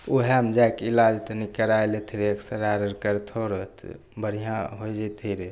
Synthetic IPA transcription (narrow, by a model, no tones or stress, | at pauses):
oɦɛmd͡ʒajkilad͡ʒt̪ənikəɾaelet̪ʰiɾeəksəɾaɾəɾkəɾt̪ʰoɾət̪ʰ | bəɽ̤ijãɦojd͡ʒɛt̪ʰiɾe